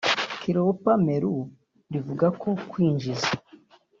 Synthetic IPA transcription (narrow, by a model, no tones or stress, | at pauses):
kiɾowpame̞ɾu | ɾivuɡakokwiːɲd͡ʒiza